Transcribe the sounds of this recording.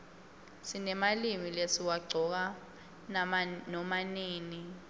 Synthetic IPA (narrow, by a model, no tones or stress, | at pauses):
sinɛmalimilesiwaɡ͡ǀʱɔk̬a | nɔmaniːni